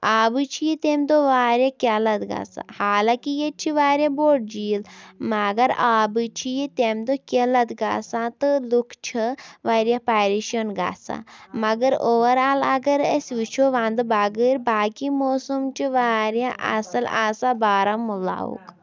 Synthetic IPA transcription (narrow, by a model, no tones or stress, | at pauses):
aːbɨt͡ʃʰijit̪emʲd̪oʋaːɾʲjakʲalɐt̪ɡa̰ːsa̰haːlakijet͡ʃʰiʋaːɾʲjaboːʈ̚d͡ʒiːlmɐɡɐɾaːbɨt͡ʃʰijit̪emʲd̪okʲelɐt̪ɡa̰ːsãːt̪ɨlukʰt͡ʃʰɨʋaːɾʲjapaːɾiʃɐnɡa̰ːsa̰mɐɡɐɾoːʋɐɾaːlɐɡɐɾəsʲʋit͡ʃʰoʋãnd̪ɨbaɡəɾʲbaːkimoːsumt͡ʃʰiʋaːɾjaʔɐ̰sɐla̰sabaːɾɐmːula̰ːṵk